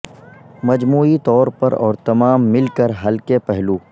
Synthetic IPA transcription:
mɐd͡ʒmuːit̪ɔːɾpɐɾɔ̰ːɾt̪ɐmaːmːɪlkəɾɦɐlkepɛɦluː

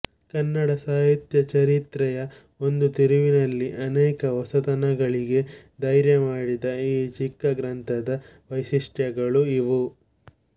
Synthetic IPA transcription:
kɐnːɐɽɐsaːɦit̪jɐt͡ʃɐɾit̪ɾɛjɐ | o̞nd̪ut̪iɾiʋinɐlːiʔɐnɛːkɐʋɐsɐt̪ɐnɐɡɐɭiɡe̞ | d̪ɐjɾjɐmaːɽid̪ɐiːt͡ʃikːɐɡɾɐnt̪ʰɐd̪ɐ | ʋɐjsiʂʈjɐɡɐɭuiʋu

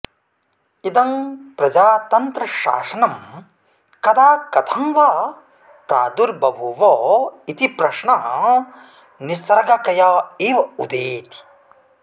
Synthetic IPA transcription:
id̪ɐmpɾɐd͡ʒaːt̪ɐnt̪ɾɐʃa̰ːsɐnɐm | kɐd̪aːkɐt̪ʰɐmʋa | pɾaːd̪uɾbɐbʱuʋoit̪ipɾɐʂɳɐ | nisɐɾɡɐkɐjaːiːʋɐud̪eːt̪i̥

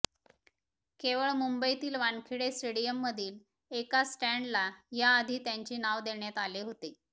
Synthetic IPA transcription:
keʋəɭmumbəjt̪iːlʋankʰiɽesʈeɽijəmːəd̪ʱiːl | ekasʈæɳɖlajaːd̪ʱiːt̪jaɲt͡ɕiːnaʋd̪eɳjat̪aleɦot̪e

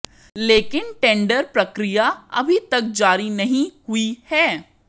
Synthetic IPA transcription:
leːkɪnʈẽːɳɖəɾpɾɐkɾijaɐ̰bʱit̪ɐk̚d͡ʒaːɾinɐɦĩhuihɛː

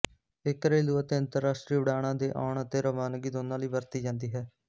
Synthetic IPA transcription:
ɪkɾeːluːət̪eːə̃nt̪əɾːaːsʈɾiːʊɽaːɽ̃ãːd̪eːʔa̰ːʊɳət̪eːɾəʋaːnɡiːd̪oːnãːləiːbəɾt̪iːd͡ʒãːnd̪iːɦɛː

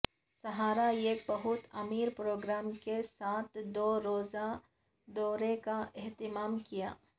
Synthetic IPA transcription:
sɐɦaːɾaeːkbɐɦʊt̪ɐmiːɾpɾoːɡɾaːmkesaːt̪̚ʰd̪oːɾoːza | d̪ɔːɾekaɪɦt̪ɪmaːmkija̰ː

